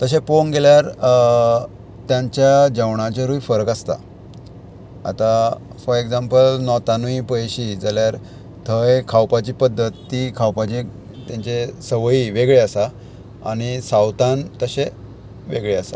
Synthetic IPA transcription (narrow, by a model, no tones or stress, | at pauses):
t̪əɕ̬eponɡeljaɾ | t̪jãɲt͡ɕjad͡ʑəwɳat͡ɕeɾuifəɾəkast̪a̰ | a̰t̪afɔɾekd͡zampəlnɔt̪anuipəjɕiːd͡zaljaɾ | t̪ʰəjkʰawpat͡ɕiːpəd̪ʱːət̪ːikʰawpat͡ɕe | t̪jaɲt͡ɕesəʋjiʋeɡɭeasa | a̰ñisawt̪ant̪əɕe | ʋeɡɭeasa̰